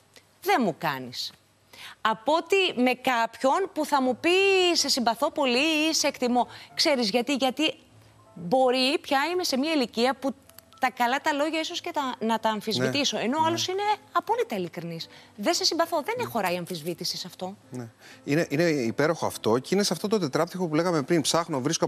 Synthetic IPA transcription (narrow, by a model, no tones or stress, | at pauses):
ðe̞mukɐnis | ɐpo̞t̪ime̞kɐpço̞npuθɐmupise̞simbɐθo̞po̞liseekt̪imo̞kse̞ɾizʝɐt̪iʝɐt̪i | bo̞ɾipçɐime̞se̞miɐiliciɐpu | t̪ɐkɐlɐt̪ɐlo̞ʝɐiso̞sce̞t̪ɐnɐt̪ɐːɱfizvit̪iso̞eno̞ɐlo̞sine̞ɐpo̞lit̪ɐilikɾinisðese̞simbɐθo̞ðenexo̞ɾɐiɐɱfizvit̪isisɐft̪o̞neineʔineipe̞ɾo̞xoɐ̰ft̪o̞ceineseɐft̪ot̪ot̪e̞t̪ɾɐp̚t̪ixo̞pule̞ɣɐme̞pɾinpsɐxnovɾisko